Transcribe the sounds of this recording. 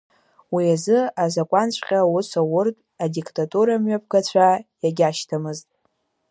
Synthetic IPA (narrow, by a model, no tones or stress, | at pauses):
wiazɨazakʷʼant͡ɕʷʰʼqʲʼawʊsawʊrtʼ | adikʼtʼatʼuɾamɥap̚ʰɡat͡ɕʷʰajaɡʲaʃtʰamɨztʼ